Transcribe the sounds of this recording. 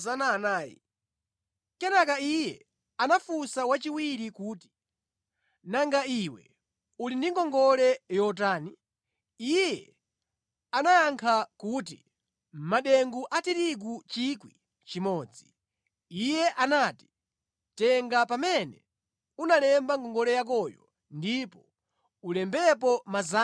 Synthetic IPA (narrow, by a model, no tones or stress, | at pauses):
zanaːnaːjḭ | kɛnakaijɛ | anafusawat͡ʃiwiɾikuːti̥ | naŋɡaiwɛ̰ | ulindiŋɡɔŋɡɔlɛjɔt̬aːni | ijɛ | anajaŋkʰakutḭ | m̩maɗɛŋɡuʔatiɾik̬ut͡ʃikwi | t͡ʃimɔːd͡zi | ijɛʔanaːti̥ | tɛŋɡapamɛnɛ | unalɛmbaŋɡɔŋɡɔlɛjak̬ɔjɔ | ndipɔ | ulɛmbɛp̬ɔmaza